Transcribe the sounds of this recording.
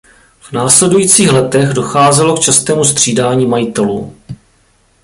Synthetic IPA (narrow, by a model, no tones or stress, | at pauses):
v̥naːslɛdujiːt͡siːxlɛt̪ɛɣdo̞xaːzɛlo̞kt͡ʃast̪ɛːmust̪r̝̥iːdaːɲiːmajit̪ɛlṵː